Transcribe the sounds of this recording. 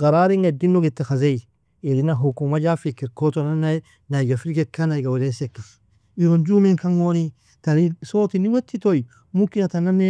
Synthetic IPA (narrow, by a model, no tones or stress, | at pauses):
ɡaɾaɾiŋedinːoɡitːaxazei | eɾinaɦukumad͡ʒafikːiɾkotonana | naiɡafilɡekːanaiɡawulesekːi | iɾond͡ʒumiŋkaŋoni | talisoːtiniwetːitoi | mukinatanane